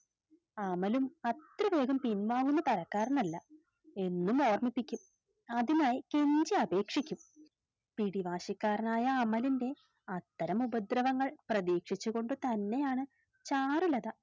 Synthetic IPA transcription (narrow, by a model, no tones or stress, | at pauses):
ɐmɐlumɐt̪rɐʋe̞ːɡɐmpinʋaːɣunːɐt̪ɐɾɐkːaːɾɐnɐlːɐ | e̞nːumo̞ːrmipːikʲːum | ɐðinaːjike̞ɲd͡ʑiɐbe̞ːkʂikʲːum | piɽiʋaːɕikːaːɾɐnaːjɐːmɐlinde̞ | ɐt̪ːɐɾɐmubɐd̪rɐʋɐŋːɐɭprɐðiːkʂit͡ɕːuɣo̞ɳɖɨt̪ɐnːe̞jaːɳɨ | t͡ɕaːrulɐðɐ